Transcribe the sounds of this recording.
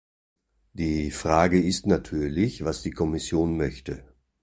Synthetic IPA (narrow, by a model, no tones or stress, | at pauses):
d̥iːfʁ̥aːɡəɪstnatʰyːɐlɪçv̥asd̥iːkʰɔmɪsjoːnmœçtə